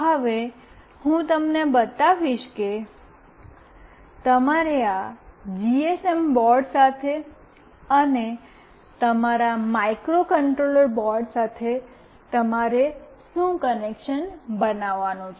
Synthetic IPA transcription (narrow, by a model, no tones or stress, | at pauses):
ɦəʋe | hũt̪əmnebət̪aʋiʃke | t̪əmaɾead͡ʒiesembɔɾɖsat̪ʰe | əne | t̪əmaɾamaikɾokəɳʈɾoləɾbɔɾɖsat̪ʰe | t̪əmaɾe | sũkənekʃənbənaʋːanũt͡ʃʰ